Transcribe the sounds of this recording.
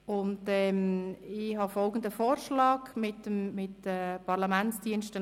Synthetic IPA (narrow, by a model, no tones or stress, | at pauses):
ʊndɛmɪɦɑfɔlɡən̩d̪əfoːrʃlɑːkmɪtəmːɪtəpʰɑɾlɑmænt͡sd̥iənʃtə